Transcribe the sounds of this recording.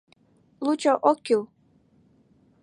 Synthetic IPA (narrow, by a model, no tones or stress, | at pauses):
lut͡ɕoʔokːiw